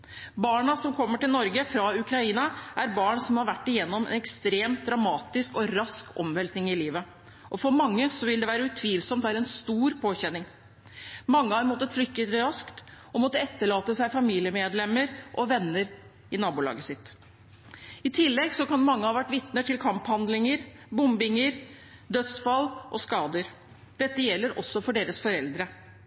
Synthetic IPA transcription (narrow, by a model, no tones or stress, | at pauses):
bɑːɳɑsɔmkʰɔmːəʈɪlnɔɾɡəfɾɑʉkʰɾɑiːnɑʔæɾbɑːɳsɔmhɑɾʋæʈːɪjɛnːɔmɛ̰nɛkst̪ɾeːmt̪̚d̪ɾɑmɑːt̪ɪskɔɾɑskɔ̰mʋɛlt̪nɪŋɪliːʋə | ʔɔfɔɾmɑŋːəsɔʋɪld̪ɛʋæːɾəʉt̪ʰʋiːlsɔmt̪ʋæːɾəɛnst̪uːɾpʰoːçɛnːɪŋ | mɑŋːəhɑɾmɔt̪ːət̪flʏk̪ːəɾɑskt̪ | ɔmɔt̪ːəɛt̪ːəɭɑːt̪əsæɪfɑmiːlɪəmeːd̪lɛmːəɾʔɔʋɛnːəɾ | ɪnɑːbʊlɑ̰ːɡəsɪt̪ː | ɪt̪ʰɪlːɛɡsɔkɑnmɑŋːəhɑʋæʈːʋɪt̪nəʈʰɪlkʰɑmphɑnd̪lɪŋəɾ | bʊmbɪŋəɾ | d̪œt̪sfɑlːʔɔskɑːd̪əɾ | d̪̥ɛt̪ːəjɛlːəɾɔ̰sːɔfɔɖeːɾəsfɔɾɛld̪ɾə